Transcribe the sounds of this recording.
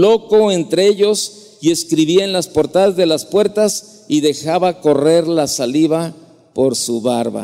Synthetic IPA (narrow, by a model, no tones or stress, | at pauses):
lo̞ko̞ent̪ɾeeʎo̞s | je̞skɾiβiaenlaspo̞ɾt̪aðazðe̞laspwe̞ɾt̪as | iðe̞xaβako̞re̞ɾlasaliβa | po̞ɾsuβaɾβa̰